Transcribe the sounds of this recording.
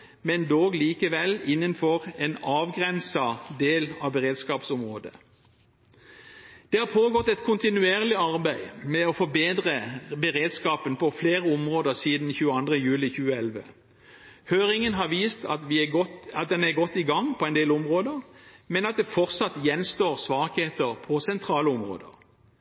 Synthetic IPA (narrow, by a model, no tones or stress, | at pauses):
mɛnd̪oːɡliːkəʋɛlɪnːənfɔʁɛnɑːʋɡʁɛnsɑd̪eːlɑʋbəʁeːd̪skɑːpsʊmʁoːd̪ə̰ | d̪̥ɛːhɑʁpʰoːɡɔt̪ːɛt̪kʰʊnt̪ɪnʉeːʁlɪɑʁbæɪmɛɔfɔbeːd̪ʁəbəʁeːd̪skɑːpənpʰɔfleːʁəʊmʁoːd̪əʁsiːd̪nçʉːəɑnd̪ʁəjʉːlɪçʉːəɛlʋə̰ | høːʁɪŋənɦɑʁʋiːst̪ʰɑ̰t̪ʋɪɔɑt̪̚d̪ɛnæʁɡɔt̪ːɪɡɑŋpʰɔɛnd̪eːlʊmʁoːd̪əʁmɛnɑt̪̚d̪ɛfɔʁsɑt̪jɛnst̪oːʁsʋɑːkheːt̪əʁpʰɔsɛnt̪ʰʁɑːləʊmʁo̰ːd̪ə̰ʁ